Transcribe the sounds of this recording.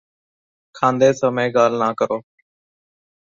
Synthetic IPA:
kʰãːnd̪eːsəmẽːɡaːl̤naːkəɾoː

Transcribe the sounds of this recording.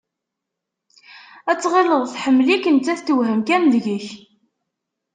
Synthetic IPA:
æt͡sːʁeləðˤθħəmːlikːənt͡sːæθt̪ːəwɦəmkænðʝəç

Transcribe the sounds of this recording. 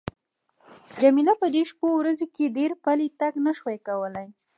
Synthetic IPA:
d͡ʒamilapəd̪eʃpowɾazokeɖeɾpalit̪aɡnəʃwajkawəlaj

